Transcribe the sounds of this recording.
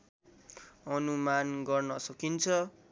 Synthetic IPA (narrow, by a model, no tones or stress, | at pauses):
ʌnumanɡʌrnʌsʌkint͡sʰʌ